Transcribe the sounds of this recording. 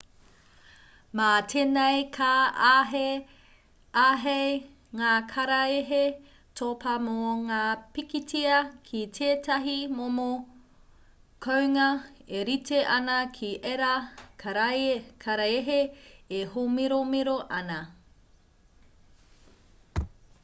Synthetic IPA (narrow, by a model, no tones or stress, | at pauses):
matʰenɐjkʰae | aɦej | ŋaːkʰɐɾɐeɦe | tʰopʰɐmoŋaːpikitʰiɐkʰitʰeːtɐɦimomo | kʰowŋɐeɾitʰeʔɐnɐkʰiʔeɾɐkɾkʰɐɾɐeɦeehomiɾomiɾoʔɐnɐ